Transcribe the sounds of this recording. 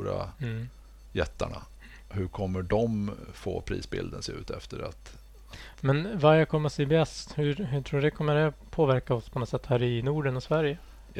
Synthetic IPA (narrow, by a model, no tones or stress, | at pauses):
ɾa | jɛt̪ːaɳa | hɵɾkʰɔmːəɖɔmfo̰ːpʰɾḭːsbɪ̰ld̪ənseːʉ̟ːt̪ʰɛft̪əɾat̪ | mɛnvaɛkʰɔmːəɾɔsɛbɛst̪hɵɦɵʈʰɾuːɖɛkʰɔmːəɖɛpʰoːvæɾkaɔspʰɔnɔt̪sɛt̪ːhæːɾɪnuːɖənɔsvæɾjə